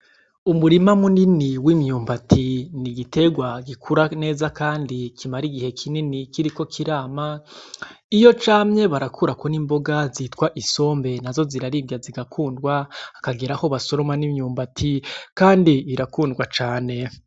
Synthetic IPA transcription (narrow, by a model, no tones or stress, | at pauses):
umuɾimamuniniwimɲuːmbatʰiniɡite̞ɡwaɡikʰuɾane̞ːzakaːndikʰimaɾiɡihe̞kʰininikiɾiko̞kʰiɾaːma | ijo̞t͡ʃaːmɲe̞βaɾakʰuɾakonimbo̞ɡazitkwaʔiso̞ːmbe̞nazo̞ziɾaɾibɟaziɡakʰuːndɡwaːkaɡiɾaho̞βaso̞ɾo̞manimɲuːmbatʰikaːndiːɾakuːndɡwat͡ʃaːne̞